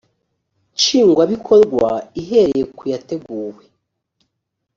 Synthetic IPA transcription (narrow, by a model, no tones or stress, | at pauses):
t͡ʃiːŋɡwaβikʰo̞ɾɡwaiɦe̞ɾejekujate̞ɡuːwe